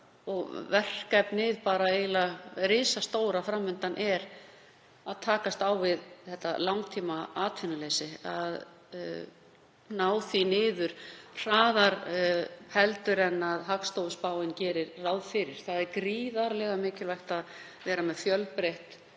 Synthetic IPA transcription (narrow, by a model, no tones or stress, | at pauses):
ɔɣvɛr̥kapnɪːðpaːɾaeːjlaɾɪːsast̪oːwɾafɾamːʏnt̪anʔɛɾ | aðt̪ʰaːkast̪awvɪðθɛht̪ːa̰lawŋt̪ʰiːmaaːt̪ʰvɪnalejsɪað | naːwθinɪːðʏɾ̥r̥aːðaɾ | hɛlt̪ʏɾɛnːaðɦakst̪owʏspaːwɪncɛːɾɪɾrawðfɪɾɪɾ̥θaðɛɾkɾiːðaɾlɛɣamɪːcɪlvajht̪að | vɛːɾamɛðfjœlpɾejht̪